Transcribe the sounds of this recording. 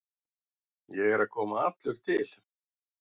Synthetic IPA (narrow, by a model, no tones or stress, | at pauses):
jɛɣɛɾakʰɔːmaapt̪lʏkt̪ʰɪl̥